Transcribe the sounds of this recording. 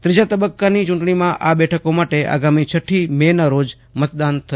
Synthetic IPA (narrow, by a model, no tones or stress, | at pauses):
t̪ɾid͡ʒat̪əbəkːanit͡ʃʊɳʈɳimãʔabɛʈʰəkomaʈeʔa̰ɡamit͡ʃʰəʈʰːimenaɾod͡ʒ | mət̪̚d̪ant̪ʰə